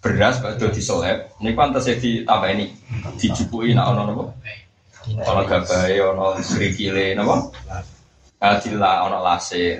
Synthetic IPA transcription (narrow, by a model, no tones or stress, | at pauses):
b̥ərɾasb̥a̤d̪̥o̤d̪̥i̤səlɛp̚nikpant̪əsed̪̥i̤t̪amainiʔd̪̥i̤d͡ʒ̥upuina̰ʔɔnɔnɔpɔ | ɔnɔɡ̥a̤b̥a̤eɔnɔɡɾikilenɔpɔ | əd̪̥i̤laɔnɔlase